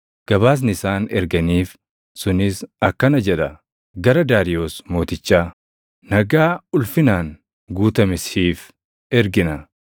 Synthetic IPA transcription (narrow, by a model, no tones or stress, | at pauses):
ɡ̥ɐβaːs̬nɪɪsaːnɛɾɡɐniːf | sʊnɪsɐkːɐnɐd͡ʒɛᶑɐ | ɡɐɾɐd̪aːɾɪjo̞ːsmo̞ːt̪ɪt͡ʃːaː | nɐɡaːʊlfɪnaːn | ɡuːt̪ɐmɪshiːf | ɛɾɡɪnɐ